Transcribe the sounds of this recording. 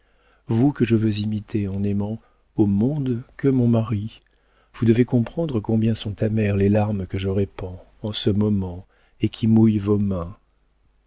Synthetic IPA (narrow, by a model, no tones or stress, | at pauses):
vukəʒəvøzimit̪ʰeɑ̃nɛmɑ̃ | omɔ̃d̪kəmɔ̃maʁi | vud̪əvekɔ̃pχɑ̃d̪ʁəkɔ̃bjɛ̃sɔ̃t̪amɛʁlelaʁmkəʒəʁepɑ̃ | ɑ̃səmɔmɑ̃ | ekʲʰimujvomɛ̃